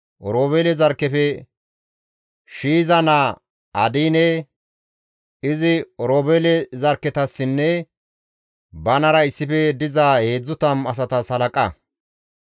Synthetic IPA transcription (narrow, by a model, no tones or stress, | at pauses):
ʔɔɾoːbeːlɛzɐɾkːɛfɛ | ʃiːzɐna | ɐd̪iːnɛ | ɪzɪɔɾoːbeːlɛzɐɾkːɛt̪ɐsːɪnːɛ | bɐnɐɾɐɪsːɪfɛd̪ɪzaːhe̞ːd͡zːʊt̪ɐmɐs̬ɐt̪ɐsɐlɐkʼɐ